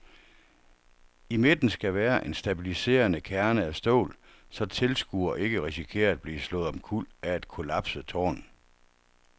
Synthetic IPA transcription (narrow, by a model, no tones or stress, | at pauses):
ime̝d̥n̩sɡ̥æʋæːɐʔe̝nsd̥æb̥ilise̝̰ːɐnəkʰæɐnəæsd̥o̰ʊːl | sɒ̽t͡sʰe̝lsɡ̥ṵɐʔe̝ɡ̥əʁɛsikʰe̝̰ːɐb̥liːslɔ̽ːð̞̩ˠɒmkʰul̰æed̥kʰo̝læb̥sət͡sʰɒ̰ːn